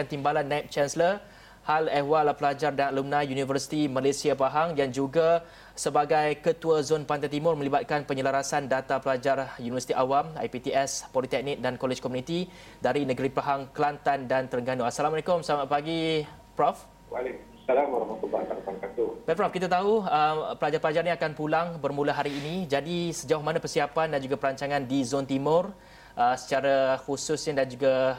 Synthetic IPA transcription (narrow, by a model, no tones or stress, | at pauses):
kant̪imbalanːap̚t͡ʃɛnsələ | halɛhwalpəlad͡ʒardaalumnãjunivərsi̥t̪imalesiapaɦaŋdand͡ʒuɡa | səbaɡajkət̪uazonpant̪ajt̪̬imʊrmə̃libat̪̚kanpəɲəlaɾasandat̪apəlad͡ʒarjunivəsi̥t̪iʔawama̰jpit̪iɛspɔlit̪ɛk̚nik̚dankolɛd͡ʒkɔmũnit̪i | daɾinə̃ɡəɾipaɦaŋklant̪andant̪əɾəŋɡanoasalamɔlekʊmsamaʔpaɡi | pɾɔf | walek | salamwaɾamat̪umat̪aɾtansat̪ubɛpɾɔfkit̪at̪aɦuəpəlad͡ʒarpəlad͡ʒarnĩakanpulaŋbərmũlaɦaɾiːnĩd͡ʒadisəd͡ʒawahmanãpərsiapandand͡ʒuɡapəɾaɲt͡ʃaŋãndizɔnt̪imʊr | ʔəsə̥t͡ʃaɾahusʊsɲadand͡ʒuɡa